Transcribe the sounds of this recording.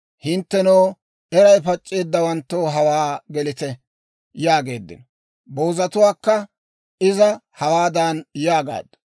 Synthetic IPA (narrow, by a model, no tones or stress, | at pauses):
hɪnt̪ːɛnoː | ɛɾɐjpɐt͡ʃʼːe̞ːd̪ːɐwɐnt̪ːoːɦɐwaːɡɛlɪt̪ɛ | jaːɡe̞̰ːd̪ːɪ̰nɔ | bo̞ːzɐt̪ʊwaːkːɐ | ɪzɐhɐwaːd̪anjaːɡa̰ːd̪ːɐ̥